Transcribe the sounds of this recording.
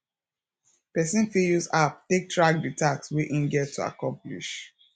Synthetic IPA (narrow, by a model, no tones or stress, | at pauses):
pɛsĩnfijusap̚tek̚tʰɹak̚ditakswiʔĩnɡɛtʰːua̰kɔ̃mplḭʃ